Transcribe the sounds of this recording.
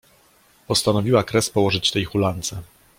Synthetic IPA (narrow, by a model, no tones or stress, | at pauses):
pɔst̪anɔvʲiwakɾɛspɔwɔʐɘt͡ɕt̪ɛjxulant̪sɛ